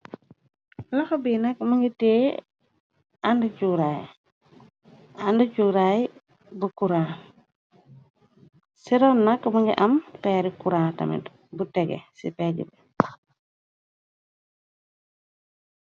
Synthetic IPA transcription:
laxɐbinɐkmaŋɡiteː | andut͡ʃuɾaj | andut͡ʃuːɾaj | bukuɾaː | siɾɔnːɐkmɐŋɡḭʔɐmpɛːɾikuɾaːtɐ̰mɛ̰ | butɛɡɛ̰sḭpɛɟḭbɛ

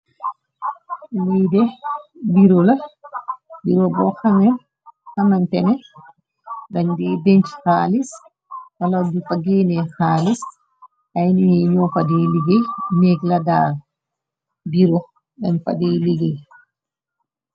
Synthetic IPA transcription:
wiːdɛbiɾɔla | biɾɔbɔhaŋɛn | hamantɛnɛ | daɲdɛbeɲt͡ʃhaːlis | waladufaɡeːnɛxaːlis | ʔajniɛɲɔfadiliɡɛneɡladaːl | biɾɔ | danfa̰diliɡɛ

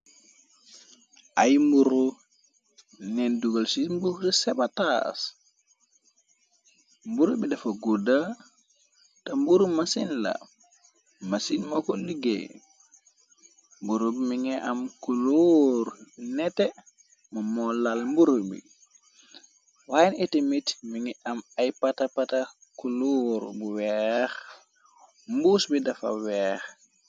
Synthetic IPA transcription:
ʔajmbuɾu | nenduɡalsimbuhdisebatas | mbuɾubidefɐɡuda | tɐmbuɾumasinla̰ | masinmakuliɡḛ | mbuɾobimiŋɛʔamkuloɾnɛtɛ | mamɔlalmbuɾobḭ | wajinɛtemitmiŋɛʔamajpatapatakuloɾbuwɛx | mbusbidafa̰wɛːx

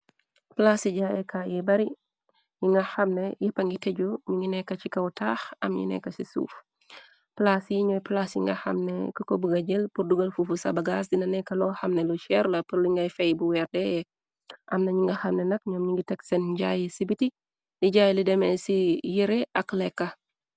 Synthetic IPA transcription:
plasiɟaːjɛkʰajɛbɐɾi | jiŋɡɐxɐmnɛjɛpɐŋɡitɛɟuɲiŋɡinɛkːɐt͡ʃikɐwtʰaːxɐ̰mɲḭnɛ̰kːɐsisṵːf | plasjiɲɔːjplasjḭŋɡɐ̰xɐ̰mnɛ̰kɐkɔbuɡɐɟilpurduɡɐlfufusɐ̰bɐɡasdinɐnɛkːɐlɔːxɐmnɛluʃɛɾlɐpəɾliŋɡɐjfɛjbuwɛrdɛjɛ | ʔɐmnɐɲiŋɡɐxɐmnɛnɐkɲɔmɲiŋɡitɛksenɟaːjisibiti | liɟaːjilidɛmɛsijiɾeʔɐklɛkːɐ

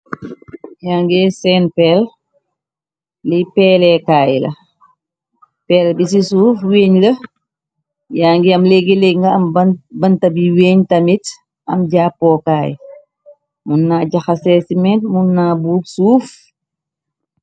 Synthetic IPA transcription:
jaːŋɡɛsɛːnpɛːl | lipɛːlɛkaːjlɐ̰ | pɛːlbis̬isuːfweːɲlɐ | jaːŋɡiɐmlɛɡilɛŋɡɐɐmbɐnbɐntɐbiweːɲtɐmit | ɐmɟaːpːɔːkaːj̰ | munːaːɟɐxɐsɛːsimɛntmunːaːbuːpsuːf

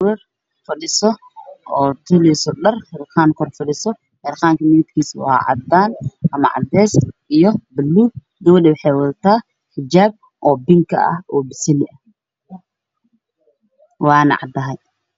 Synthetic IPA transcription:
wɛr | fɐɗɪsɔ | ʔɔːt̪ʰɪlɛsɔɗɐrħɛrqaːŋkʰɔrfɐɗɪsɔ | ħɛɾqaːŋkʰɐmɪɪt̪kʰiːswɑ̰ʕɑ̰d̪aːnʔɐmɐʕɑ̰d̪ɛːsʔijɔbɐlːuː | ɡɐwɐɗɛwɑħɑjwɑd̪ɐt̪ʰaː | ħɪd͡ʒaːb̚ | ʔɔːbɪŋkʰɐ̰ɐ̰hɔːbɪsɪlɪʔɐ | wɑːnɐ̰ʕɑ̰d̪ɐɦɛj

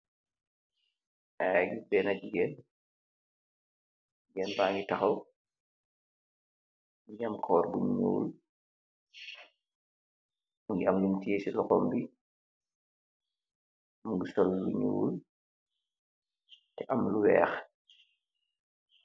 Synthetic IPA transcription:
ʔaɡibɛːnad͡ʒiɡɛn | ɡɛnbaːŋɡitɐxɐw | mɲamkʰɔːrbuɲɲṵːl | muŋɡiɐmɡintiesilɔxɔmbi | muŋɡisɔlːuɲṵːl | tɛʔamluwɛ̰ːx

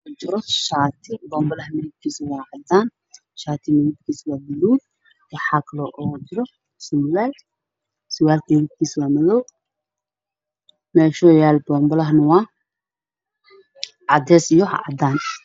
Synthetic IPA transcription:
t͡ʃɪɾɔʃaːt̪ʰɪbɔːmbɔlɐhmɛðɪb̚kʰiːswɑːʕɑd̪aːn | ʃaːt̪ʰɪmɛjɪb̪̚kʰiːswaːbɐluːd̚ | wɐħaklɔʔɔːt͡ʃɪɾɔ | sʊmwɛːl | sʊwaːlt̪ɛðɪb̚kʰiːswaːmɐðɔw | mɛːʃɔːjaːlbɔːmbɔlɐɦnɐwɑː | ʕɑd̪ɛːsijɔɦɑ̰ʕɑd̪aːn

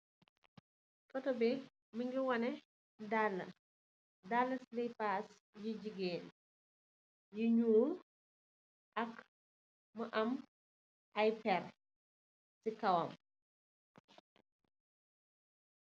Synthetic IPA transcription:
kɔtɔbi | miŋɡiwɐnɛ | dalːɐ | dalːɐslipas | jid͡ʒiɡeːn | jiɲuːl | ʔɐk | məʔɐm | ʔajpɛr | sikɐwɔm

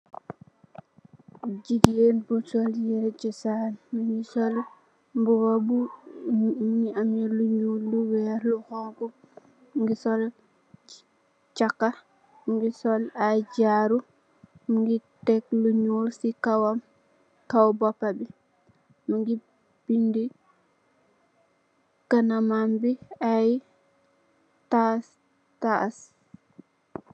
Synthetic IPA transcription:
ɟiɡenbusɔljɛɾt͡ʃisanmuŋɡisɔl | mbuwabu | ɲiamjɛluɲulːuwɛɾluhɔŋku | ŋɡisɔl | t͡ʃakːa | mŋɡisɔlaɟaɾu | muŋɡitɛkluɲulsikawam | kawbɔpːabi | muŋɡi | b̥indi | kanamambiaj | tas | tas

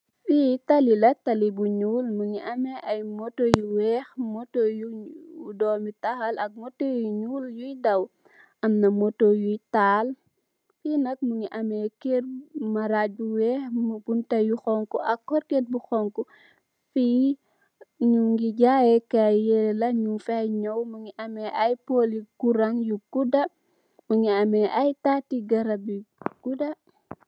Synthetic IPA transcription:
fitɐlilɐtɐlibuɲuːlmuŋiʔɐmɛʔɐjmɔtojuwɛːxmɔtojudɔːmitɐxɐlɐk̚mɔtojuɲuːljujdɐw | ʔɐmnɐmɔtojujtaːl | fiːnɐk̚muŋiʔɐmɛkeɾmɐɾabuwɛːxmubuntɐjuxɔŋkuɐkɔɾket̚buxɔŋkɔ | fi | ɲuŋɡiɟajɛkajelɐɲufɛɲɔwmuŋiʔɐmɛʔajpolikuɾaŋjuɡudɐ | muŋiɐmɛʔajtaːtiɡɐɾɐbiɡ̥udɐ

